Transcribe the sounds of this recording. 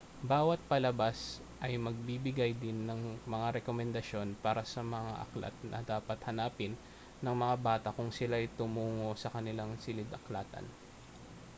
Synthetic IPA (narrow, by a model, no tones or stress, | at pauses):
baːwɐt̪̚pɐlɐbas | ʔɐjmɐɡ̚bibɪɡajd̪ɪnːɐŋmɐŋaɾɛkomɛnd̪ɐʃo̞npaːɾɐsɐmɐŋa̰ʔɐ̰kla̰t̪̚nʔɐ̰d̪aːpɐt̪hɐnaːpɪnː | ɐŋmɐŋabaːt̪ɐkʊŋsɪlajt̪ʊmuːŋo̞sɐkɐnɪlaŋsɪlɪd̪ʔɐklaːt̪ɐ̰n